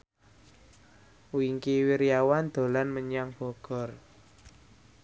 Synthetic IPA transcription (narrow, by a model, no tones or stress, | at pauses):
uiŋkiwiɾijawand̪̥o̤lanməɲaŋb̥ɔ̤ɡ̥ɔ̤r